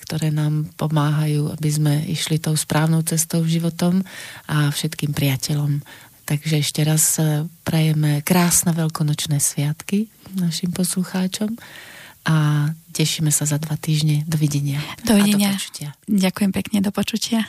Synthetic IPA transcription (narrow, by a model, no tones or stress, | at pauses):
kt̪ɔɾɛːnaːmpɔmaːɦajuːa̰bizmɛḭʃlit̪ɔʊspɾʔaːʊnɔʊt͡sɛst̪ɔʊʒiʋɔt̪ɔmʔafʃɛt̪kiːmpɾɪacɛʎɔmt̪aɡʒɛɛʃcɛɾaspɾɛjɛmɛkɾaːsnɛʋɛlkɔnɔt͡ʃnɛːsʋɪat̪kinaʃimpɔsluxaːt͡ʃɔmʔacɛʃiːmɛsazad̪ʋat̪iːʒɲɛd̪ɔʋiɟɛɲɪad̪ɔʋiɛd̪ɔɲaɔt͡ʃu̥cɪaɟakujɛmpɛkɲɛd̪ɔpɔt͡ʃucɪa